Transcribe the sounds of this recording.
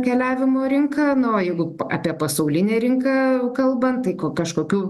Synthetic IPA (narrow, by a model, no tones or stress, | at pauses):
kʲɛːlʲæːʋʲɪmoːɾʲɪŋkɑːnʊoːjɛɪɡʊɑ̰ːpʲiɛpɐsɐʊlʲɪnʲeːɾʲɪŋkɑːkɐlˠbɐnt̪ɐɪkoːkɐʃkoːkʲuː